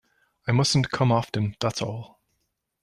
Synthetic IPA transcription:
aɪmʌsn̩kʰʌ̃mɑftɨ̃nðætsɔlˠ

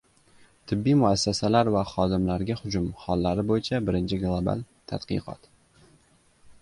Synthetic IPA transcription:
t̪ʰɪbːijmʊasːasalaɾvaχɒd̪ɪmlaɾɡʲahʊd͡ʒʊmhɒlːaɾɪbojɪt͡ʃʰabɪɾɪnt͡ʃʰɪɡlˠoba̰lˠt̪ʰad̪qɨ̰qʰɒ̰t̪

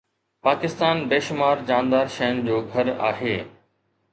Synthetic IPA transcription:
paːkɪst̪aːnbeːʃʊmaːɾd͡ʑaːnd̪aːɾʃɐjənd͡ʑoːɡʱɐɾa̰ːɦeː

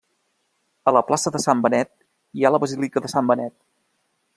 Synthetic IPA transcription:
ələplasəðəsambənɛt̪̚ | ialəβəzilikəðəsambənɛt̪̚

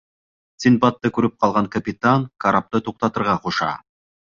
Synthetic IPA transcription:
sɪnpat̪ːɯkɵɾyp̚qʰɑlˠʁɑŋkɐpʲɪt̪ankaɾʔap̚t̪ɯt̪ʰuq̚t̪ɑt̪ɤɾʁɑqʰoʃɑ̰

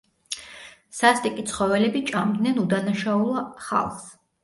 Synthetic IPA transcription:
sast̪ʼikʼit̪sʰχɔvɛlɛbit͡ʃʼamd̪nɛnud̪anaʃaulˠaχa̰lˠχs

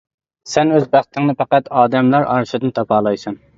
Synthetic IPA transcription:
sɛnøzbæχt̪ʰɪŋnɨpæqæt̪ɑːd̪ɛmlˠɑɾɑ̰ɾʃɨd̪ɨnt̪ʰɑpʰɑːlˠɑjsɑn

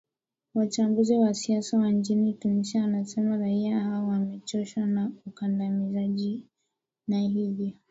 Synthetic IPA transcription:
wat͡ʃambuziwasiasawand͡ʒinitunisiawanasɛmaɾaiaaawamɛtɔʃwanaukandamizaʄi | nahivjɔ

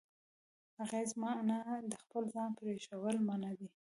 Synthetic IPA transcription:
haɣezmɑnad̪əxpəlzɑnpəɾeʃawəlmanawi

